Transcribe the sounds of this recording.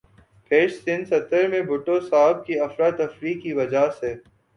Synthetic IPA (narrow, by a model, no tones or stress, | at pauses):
pʰeːʃsɪ̃nsɐt̪əɾmẽbʱʊʈosaːb̚kiɐfɾat̪ɐfɾiːkːiʋɐd͡ʒaseː